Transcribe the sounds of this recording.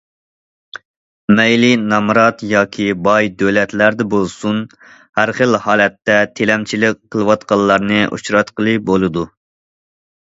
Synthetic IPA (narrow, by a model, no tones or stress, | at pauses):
mɛjlinɑmɾɑt̪jɑːkʲʰibɑjd̪ølɛt̪læɾd̪ɛbolˠsun | hæɾχəlhɑːlɛt̪ːɛt̪ʰelɛmt͡ʃʰilɪk̚ʲqʰːəlˠɨwɑt̪qɑlˠːɑɾnɨʔṵt͡ʃɾɑt̪qəlˠɨbolˠɨd̪u